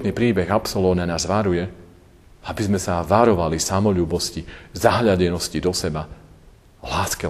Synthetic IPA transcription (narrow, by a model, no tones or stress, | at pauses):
t̪niːpɾiːbɛɣapsɔlɔːnanaːzʋaɾujɛ | abizmɛsaʋaɾɔʋalisamɔʎuːbɔscizaɦʎaɟɛnɔscid̪ɔsɛba | laːskɛ